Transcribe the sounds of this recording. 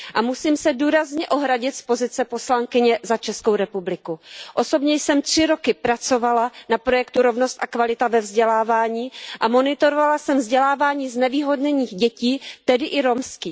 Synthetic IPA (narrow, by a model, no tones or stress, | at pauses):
ʔamusiːmsɛduːɾazɲɛʔo̞ɦɾaɟɪt̪spo̞zɪt͡sɛpo̞slaŋkɪɲɛzat͡ʃɛsko̞wɾɛpublɪkuʔo̞so̞bɲɛjsɛmt̪r̝̥ɪɾo̞kɪpɾat͡so̞valanapɾo̞jɛkt̪uɾo̞vno̞st̪ʔakvalɪt̪avɛvzɟɛlaːvaːɲiːʔamo̞nɪt̪o̞ɾovalasɛmvzɟɛlaːvaːɲiːznɛviːɦo̞dɲɛɲiːxɟɛciːt̪ɛdɪʔɪɾo̞mskiː